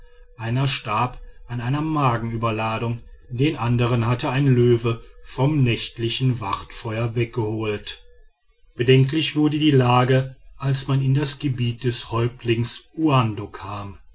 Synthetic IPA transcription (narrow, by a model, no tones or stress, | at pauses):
ʔaɪnɐʃtaɐpʔanaɪnɐmaːɡŋ̩yːbɐlaːdʊŋdeːnʔandəʁ̞ənhatəaɪnløːvəfɔmnɛçtlɪçn̩vaʁtfɔʏɐvɛk̚ɡ̥əhoːlt | b̥ədɛŋklɪçv̥ʊɐdədiːlaːɡəʔalsmanɪndasɡ̥əbiːt̚d̥ɛshɔʏp̚tʰlɪŋsuandokʰaːm